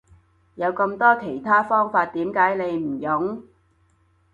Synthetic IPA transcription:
jɐ˨˧wkɐ˧mt̪ɔː˥kʰe˨˩jt̪ʰaː˥fɔː˥ŋfaː˧t̚t̪iː˨˥mkaː˨˥jne˨˧jm̩˨˩jʊ˨˥ŋ

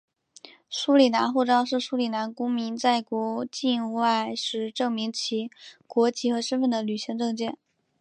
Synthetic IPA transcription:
ʂu˥li˨˩na˧˥nxu˥˧ʈ͡ʂɑ˥ʊʂɻ̩˥˩ʂu˥li˨˩na˧˥nkʊ˥ŋmi˧˥nt͡sa˥˩ɪkwɔ˧˥t͡ɕi˥˩nu˧˥a˥˩ɪʂɻ̩˧˥ʈ͡ʂɤ˥˩ŋmi˧˥ŋt͡ɕʰi˧˥kwɔ˧˥t͡ɕi˧˥˩xɤ˧˥ʂə˥nfə˥˩nd̪ə˩ly˨˩ɕi˧˥ŋʈ͡ʂɤ˥˧ŋt͡ɕjɛ˥˩n

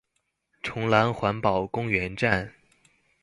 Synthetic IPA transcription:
ʈ͡ʂʰʊ˧˥ŋla˧˥nxwa˧˥npɑ˨˩ʊkʊ˥ŋɥɛ˧˥nʈ͡ʂa˥˩n

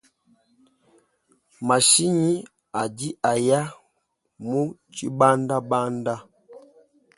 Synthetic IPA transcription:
ma˨ʃi˦ɲi˦ | a˨di˦ʔa˨ja˦ | mu˦t͡ʃi˦ba˦nda˦ba˦nda˦

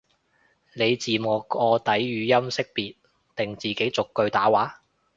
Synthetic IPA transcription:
ne˨˧jt͡siː˨mɔː˨˩ɔː˧t̪ɐ˨˥jɥyː˨˧jɐ˥msɪ˥k̚piː˨t̚ | t̪ɪ˨˩ŋt͡siː˨ke˨˥jt͡sʊ˨kːɵ˧ɥt̪aː˨˥waː˨˥

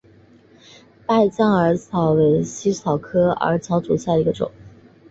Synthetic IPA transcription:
pa˥˧ɪt͡ɕjɑ˥˩ŋə˞˧˥t͡sʰɑ˨˩˥ʊwe˧˥ɪɕi˥t͡sʰɑ˨˩ʊkʰɤ˥ə̰˞˧˥t͡ɕʰjɑ˧˥ʊt͡su˨˩ɕja˥˩d̪ə˩i˧˥ɡə˧ʈ͡ʂʊ̰˨˩˦

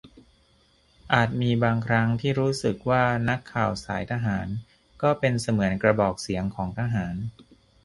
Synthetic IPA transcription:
ʔaː˨˩t̪̚miː˧baː˧ŋkʰɾa˦˥ŋt̪ʰiː˥˩ɾuː˦˥sɯ˨˩k̚waː˥˩na˦˥kʰːaː˨˩wsaː˩˦jt̪ʰa˧ɦaː˩˦n | kɔː˥˩pe˧nsa˧mɯ˩˦ənkɾa˧bɔː˨˩k̚si˩˦əŋkʰɔː˩˦ŋt̪ʰa˧ɦaː˩˦n

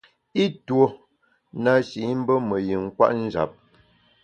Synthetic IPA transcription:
i˦two˨ | na˨ʃi˨˦m̩˦bə˦mə˨ji˨ŋ̩˦kwa̰˦ʔn̩˦d͡ʒa̰˨p̚

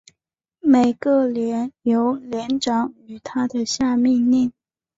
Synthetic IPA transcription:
me˨˩ɪɡə˥˧ljɛ˧˥njo˧˥ʊljɛ˧˥nʈ͡ʂɑ˨˥ŋy˨˩t̪ʰa˥d̪ə˨ɕja˥˧mi˥˧ŋli˥˩n

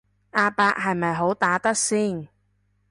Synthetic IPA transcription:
ʔaː˧paː˧k̚ɦɐ˨jmɐ˨jɦo˨˥wt̪aː˨˥t̪ɐ˥k̚siː˥˩n

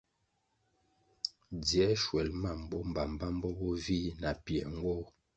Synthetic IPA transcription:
d͡zjɛ˨˦ʃwɛ˨lma˦˨m˦bɔ˦m˨ba˨m˨ba˦m˦bɔ˦bɔ˦vi˦na˨pjɛ˨ŋ˦ɡo˦

